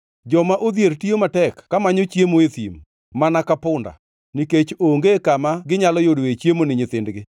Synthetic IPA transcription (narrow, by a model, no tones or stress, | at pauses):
d͡ʒɔmaʔod̪jeɾtiomatɛkːamaɲot͡ʃjemoeθim | manakapʊnda̰ | niket͡ʃoŋɡekamaɡɪɲalɔjodoet͡ʃjemonɪɲɪt̪ɪndɡɪ